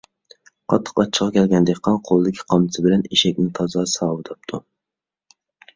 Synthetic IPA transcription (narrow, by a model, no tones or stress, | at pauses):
qʰɑt̪ʰːə̥qɑt͡ʃʰːə̥qʰɑkʲʰɛlɡʲɛnd̪ɪkʲqʰɑnqʰolˠɨd̪ɪkʲʰi̥qʰɑmsʰɨbɪlɛniʃɛkʲnɪt̪ʰɑzɑsɑːwɨt̪ʰɑp̚t̪ʰu